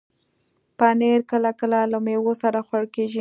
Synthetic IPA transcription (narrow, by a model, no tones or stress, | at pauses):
paneɾkəlakəlalamewosaɾaxwaɽkeʒi